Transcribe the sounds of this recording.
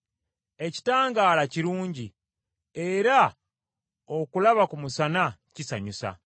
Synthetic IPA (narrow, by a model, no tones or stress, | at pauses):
e̞ci̥taːŋɡaːlaciɾuːɲɟi | e̞ɾa | o̞kulaβakumusanacisa̰ɲusa̰